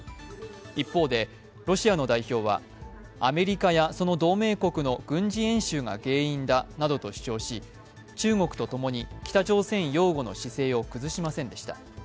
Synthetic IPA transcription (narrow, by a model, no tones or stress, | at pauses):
ipːo̞ːd̪e̞ | ɾo̞ɕiano̞d̪aiço̞ːβa̰ | ame̞ɾʲikajaso̞no̞d̪o̞ːme̞ːko̞kɯ̟no̞ɡ̥ɯ̟̃ɲd͡ʑiẽ̞ɰ̃ɕɨːɡa̰ɡe̞ːĩnd̪anad̪o̞t̪o̞ɕi̥t͡ɕo̞ːɕi | t͡ɕɨːŋo̞kɯ̟̥t̪o̞t̪o̞mo̞ɲ̟ikʲi̥t̪at͡ɕo̞ːsẽ̞ɰ̃jo̞ːɡo̞no̞ɕise̞ːo̞kɯ̟zɨɕimasẽ̞nd̪e̞ɕi̥t̪a